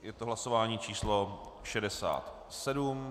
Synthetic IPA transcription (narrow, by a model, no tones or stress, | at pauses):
jɛt̪oɦlasovaːɲiːt͡ʃiːsloʃɛdɛsa̰ːt̪ | sɛdum